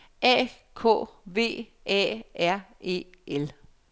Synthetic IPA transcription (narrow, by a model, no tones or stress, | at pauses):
ɛ̰ːkʰo̰ːʋe̝̰ː | ʔɛ̰ʔæɐ̰e̝̰ːel